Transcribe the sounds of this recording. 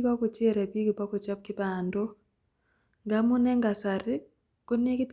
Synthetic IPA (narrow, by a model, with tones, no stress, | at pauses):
kɔ˦kɔ˨t͡ʃe˦ɾa˨pi˦kɪ˨pɔ˦kɔ˨t͡ʃɔ˦p̚kɪ˦pa˨ndɔ˦k | ŋɡa˨˦mʊ˦nɛ˦ŋɡa˨sa˨ɾɪ˦ | ko˦ne˦kɪ˦t